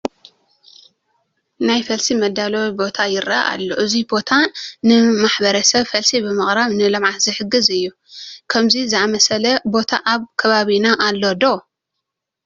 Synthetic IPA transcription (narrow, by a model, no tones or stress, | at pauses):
najfɐlsimɐd̪ːalɐwibo̞t̪ʰajɪɾaʔa̰lːoʔɨzibo̞t̪ʰanɨmaħbɐɾɐsɐβfɐlsibɨmɨχʼɾaβnɨlɐmʕat̪zɨħɨɡɨzɨjːu | kʰɐmzizɨʔamɐsɐlɐbo̞t̪ʰa̰ʔaβkʰɐβaβinaʔalːo̞d̪o